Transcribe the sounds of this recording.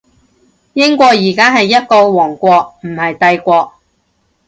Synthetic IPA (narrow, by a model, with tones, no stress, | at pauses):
jɪ˥ŋkʷɔː˧jiː˨˩kaː˥ɦɐ˨jːɐ˥t̚ko˧wwɔː˨˩ŋkʷɔː˧k̚m̩˨˩hɐ˨jt̪ɐ˧jkʷɔː˧k̚